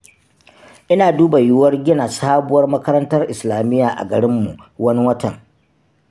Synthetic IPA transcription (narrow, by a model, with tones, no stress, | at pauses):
ʔɪ˦naː˨duː˦ba˨jʊ˦wɐ˦rɡʲɪ˦na˨saː˦bʊ˦wɐ˦rmɐ˦kɐ˦ɾɐ˦ntɐ˦rʔɪ˨slaː˨mɪ˦jːaː˨ʔa̰˨ɡɐ˨ɽɪ˦mːu˨ʔwɐ˦ni˦wɐ˦tɐ˨ŋ